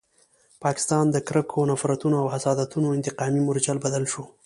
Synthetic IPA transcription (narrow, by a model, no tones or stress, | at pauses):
pɑkɪ̥st̪ɑnd̪əkɾəkʰonafɾat̪unoawhasɑd̪at̪unoɪnt̪ɪqɑmimʊɾd͡ʒalbad̪alʃo